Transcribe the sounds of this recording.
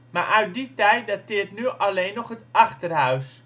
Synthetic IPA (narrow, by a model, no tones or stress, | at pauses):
ma̰ːɹʔœɥt̚ditɛjtdatɪːrtnyʔɑlejnɔχɦətɑχtərɦœɥs